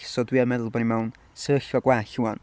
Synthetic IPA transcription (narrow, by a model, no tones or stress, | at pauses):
sɔdwiamɛðʊlˠbɔnimɛwn | səɬɔɡwɛɬuwan